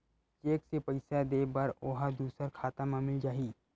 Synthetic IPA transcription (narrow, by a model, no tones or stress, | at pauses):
t͡ʃeːksepəɪsad̪eːbɐɾoːɦad̪uːsəɾkʰaːt̪ãmãmɪld͡ʒaːɦiː